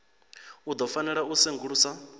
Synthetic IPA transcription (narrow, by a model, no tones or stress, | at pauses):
ud̪ɔfanɛɺausɛŋɡuɺuːsa